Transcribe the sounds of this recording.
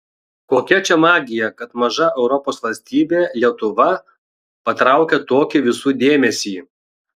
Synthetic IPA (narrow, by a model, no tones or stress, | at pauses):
koːkʲɛt͡ʃʲɛmɑːɡʲɪjɛkɐt̪mɐʒɐɛʊɾɔpoːsʋɐlʲsʲt̪ʲiːbʲeːlʲiɛt̪ʊʋɐ | pɐt̪ɾɐˑʊkʲɛt̪oːkʲɪʋʲɪsuːd̪ʲeːmʲɛsʲiː